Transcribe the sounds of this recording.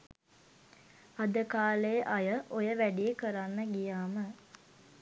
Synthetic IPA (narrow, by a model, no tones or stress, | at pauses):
ad̪əkaːleʔajəʔojəʋæɖijekəɾanːəɡijaːmə